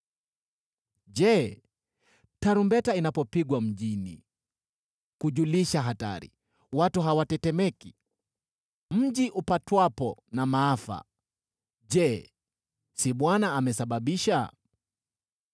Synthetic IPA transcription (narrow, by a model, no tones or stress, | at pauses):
ʄɛ | taɾumbɛtainapɔpiɡwam̩ʄinḭ | kuʄuliʃaɦata̰ɾḭ | watuɦawatɛtɛmɛki | m̩ʄiʔupatwapɔnamaafa̰ | ʄɛ | siɓwanaːmɛsaɓaɓiʃa